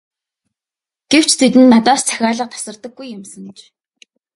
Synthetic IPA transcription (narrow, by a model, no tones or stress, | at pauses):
ɡ̥ew̥t͡ɕʰt̪ʰet̪ɘ̆nːat̪ɔːst͡sʰæ̥xʲaːɮə̆q̚t̪ʰḁsə̆rt̪ə̆ɡːujːʊmsə̆ŋt͡ɕ